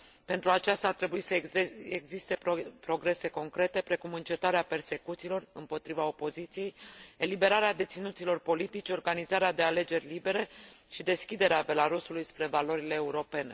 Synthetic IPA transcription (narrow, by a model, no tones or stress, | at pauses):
pe̞nt̪ɾuat͡ʃast̪aːrt̪ɾe̞buisəeɡzist̪e̞ppɾo̞ɡɾe̞se̞ko̞ŋkɾe̞t̪e̞pɾe̞kumɨnt͡ʃe̞t̪aɾeape̞rse̞kut̪siːlo̞rɨmpo̞t̪ɾivao̞po̞zit̪sije̞jelibe̞ɾaɾead̪e̞t̪sinut̪silo̞rpo̞lit̪it͡ʃeo̞rɡanizaɾead̪e̞ale̞d͡ʒe̞rʲlibe̞ɾe̞ʃid̪e̞skʲid̪e̞ɾeabe̞laɾusulujspɾe̞valo̞ɾile̞ːuɾo̞pe̞ne̞